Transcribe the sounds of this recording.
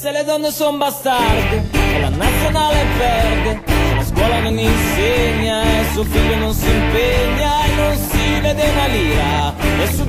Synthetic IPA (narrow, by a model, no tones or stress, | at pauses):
seled̪ɔnːesombast̪ard̪eela̰nat̪sːjonaːlɛvɛrd̪eselaskwɔlanoninseɲːaesuofiʎːononsimpeɲːaenːonsiled̪enaliːa | esu